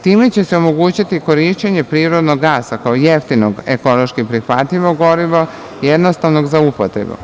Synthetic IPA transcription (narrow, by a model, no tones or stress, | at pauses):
t̪iːmet͡ɕe̞seomo̞ɡuːt͡ɕit̪iko̞ɾiʃt͡ɕeɲe̞pɾiːɾo̞d̪no̞ɡːaːsakaojeft̪inoɡeko̞lˠoʃkipɾixʋat̪ʎʲiʋoɡo̞ɾiʋo | jed̪nost̪aʋnoɡzaupot̪ɾḛbṵ